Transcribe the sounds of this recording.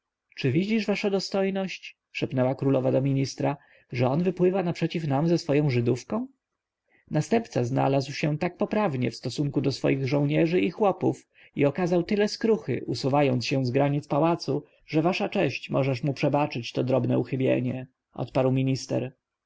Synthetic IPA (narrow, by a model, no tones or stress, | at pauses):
t͡ʂɘvʲid͡ʑiʐvaʂad̪ɔst̪ɔjnɔɕt͡ɕ | ʂɛpnɛwakɾulɔvad̪ɔmʲiɲist̪ɾa | ʐɛɔnvɘpwɘvanapʂɛt͡ɕifnamzɛsfɔjɔ̃w̃ʐɘd̪ufkɔ̃w̃ | nast̪ɛmp̚t̪sazna̰lazwɕɛt̪ak̚pɔpɾavɲɛ̰fst̪ɔsuŋkud̪ɔsfɔ̰jiɣʐɔ̃w̃ɲɛʐɘixwɔpuf | iɔkazawt̪ɘlɛskɾuxɘ̰ʔusuvajɔnt̪ɕɛ̃zɡɾaɲit̪spawat̪su | ʐɛvaʂat͡ʂɛɕt͡ɕmɔʐɛʂmupʂɛbat͡ʂɘt͡ɕt̪ɔd̪ɾɔbnɛuxɘbʲjḛɲɛ | ʔɔ̰t̪paɾwmʲiɲist̪ɛ̰ɾ